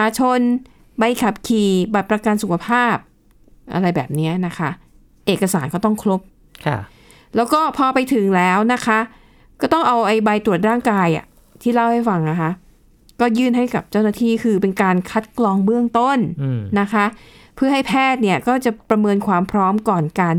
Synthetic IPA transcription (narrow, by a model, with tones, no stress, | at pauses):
aː˧t͡ɕʰo˧n | ba˧jkʰa˨˩p̚kʰiː˨˩ba˨˩t̪̚pɾa˧ka˧nsu˨˩kʰa˧pʰaː˥˩p̚ | ʔa̰˧ɾa˧jbɛ̰ː˨˩p̚ni˦˥ɐna˦˥kʰa˦˥ʔ | ʔeː˨˩kːa˧saː˩˦nkɔː˥˩t̪ɔ˥˩ŋkʰɾo˦˥p̚ | kʰ | lɛː˦˥wkɔː˥˩pʰɔː˧pa˧jt̪ʰɯ˨˦ŋlɛː˦˥wna˦˥kʰa˦˥ʔ | kɔː˥˩t̪ɔ˥˩ŋʔa˧wʔa˧jba˧jt̪ɾu˨˩ət̪̚ɾaː˥˩ŋkaː˧jʔa̰˨˩ | t̪ʰiː˥˩la˥˩wha˥˩jfa˧ŋna˦˩kʰa˦˥ | kɔː˥˩jɯː˥˩nɦa˥˩jka˨˩p̚t͡ɕa˥˩wna˥˩t̪ʰiː˥˩kʰɯː˧pe˧nkaː˧nkʰa˦˥t̪̚kʰlɔː˧ŋbɯ˥˩əŋt̪o˥˩nːa˦˥kʰa˦˥pʰɯ˥˩ɐɦa˥˩jpʰɛː˥˩t̪̚ni˥˩ɐkɔː˥˩t͡ɕa˨˩pɾa˧mɤː˧nkʰwaː˧mpʰɾɔː˦˥mkɔː˨˩nka˧n